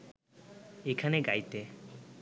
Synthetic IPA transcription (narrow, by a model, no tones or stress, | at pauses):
ekʰaneɡajt̪e